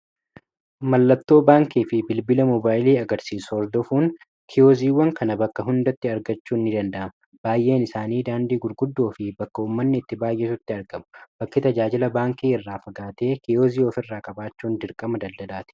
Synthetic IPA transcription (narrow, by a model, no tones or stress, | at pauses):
mɐlːɐt̪ːo̞ːbaːŋkiːfɪbɪlbɪlɐmɔbaːjɪliːɐɡɐɾsiːsɔːɾd̪ɔfuːn | kʰɪjoːziːwɐŋkɐnɐbɐkːɐɦʊnd̪ɐt̪ːɪɐɾɡɐt͡ʃːuːnːɪd̪ɐnd̪ɐʔɐmɐ | b̥aːjʔe̞ːnɪsaːniːd̪aːnd̪iːɡʊɾɡʊd̪ːoːfɪbɐkːɐuːmːɐnːɪɪt̪ːɪbaːjʔeːsʊt̪ːɪɐɾɡɐmʊ̥b̥ɐkːɪt̪ɐd͡ʒaːd͡ʒɪlɐbaːŋkiːɪrːaːfɐɡaːt̪e̞ːkɪjoːziːɔfɪrːaːkʼɐbaːt͡ʃːuːnd̪ɪɾkʼɐmɐd̪ɐd̪d̪ɐlaːt̪ɪ̥